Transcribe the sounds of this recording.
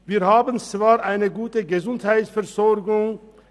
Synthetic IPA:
viːɾhaːbənt͡sv̥aːɾʔaɪnəɡuːtəɡəzʊnthaɪtsfɛʁzɔɾɡʊŋ

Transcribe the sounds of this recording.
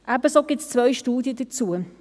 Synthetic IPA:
ʔæbəsoɡ̥ɪtt͡st͡sʋœjʃtuːd̪jəd̥̪ət͡suə

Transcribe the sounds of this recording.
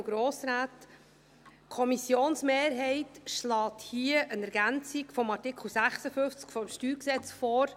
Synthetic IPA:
ɡɾoːsɾaːt | kʰɔmisjoːnsmeːɾɦɛɪtʃlɑːthiəʔənɛɾɡ̥ænt͡sikfɔmɑɾtɪkχl̩sæχsəfʏft͡skfɔmʃtyːɾksɛt͡sfɔːɾ

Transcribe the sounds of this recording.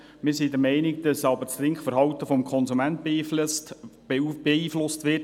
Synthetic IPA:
mɪsiːdəɾmɛɪnɪkd̥ɑsɑbəɾt͡sɾɪŋkχfəɾɦɑwt̪əfɔmkʰɔnsumænt̚b̥eːfst | b̥eiːflʊstʋɪt

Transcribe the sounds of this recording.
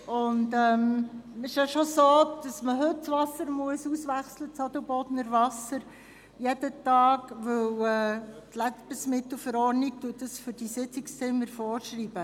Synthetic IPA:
ʊndɛmɪʃjɑʃosoːd̪̥ɑsməɦɵt̚t͡sʋɑsəɾmuəsusʋæχslət͡sɑd̪əlbɔd̪nəɾʋɑsəɾ | jɛdətɑːɡʋɵwɛtlæb̥əsmɪtl̩ˠfəɾɔrnik̚tuət̚dɑsfʏɾd̥isɪt͡sɪkst͡sɪmːəɾfɔːrʃriːb̥ə

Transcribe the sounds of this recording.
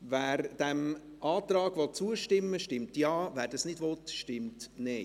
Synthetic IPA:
vɛːɾd̥ɛm | ɑːt̪ɾɑːɡ̥ʋɔt̚t͡suəʃtɪmːəʃtɪmtjɑːvæːɾdɑsnɪdʋɔt̪ʃtɪmtnɛɪ

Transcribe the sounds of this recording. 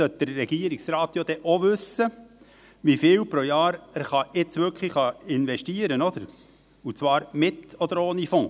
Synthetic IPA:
sœt̪̚d̥əɾːɛɡ̥iəɾiksɾɑːt̪jod̪ɛʔoʋʉsə | ʋifɪːwpɾojɑːɾæɾχɑɪt͡sʋʏɾkχliχɑɪnʋɛʃtiːəɾənɔd̪̥əɾ | ut͡svɑːɾmɪt̪ɔd̪əɾoːnifɔ̃ː

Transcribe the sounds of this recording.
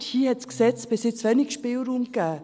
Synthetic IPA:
hiːəhɛtsksɛt͡sb̥ɪsɪt͡sʋɛnɪkʃpɪːlɾuːmkæː

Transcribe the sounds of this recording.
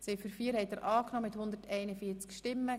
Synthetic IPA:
sɛjfyɾfiːɾhɛɪt̪əɾʔɑːknɔːmɪt̪hʊnd̪ətɛɪnəfiːt͡skʃtɪmːə

